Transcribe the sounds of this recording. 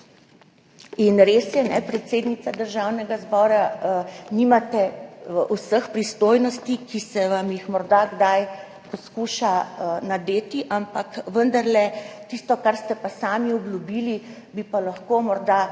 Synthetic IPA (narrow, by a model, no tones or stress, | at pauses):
inɾesjɛnɛpɾɛt̪seːd̪nit̪sad̪əɾʒawnɛɡazbɔːɾa | nimat̪ɛʔusəxpɾist̪oːjnɔst̪ikisɛʋamjixmɔɾd̪aɡd̪aj | pɔskuːʃanad̪eːt̪iʔampakʋənd̪aɾlɛt̪ist̪ɔkaɾst̪ɛpasaːmiɔblʲjubili | bipalaxkomɔɾd̪a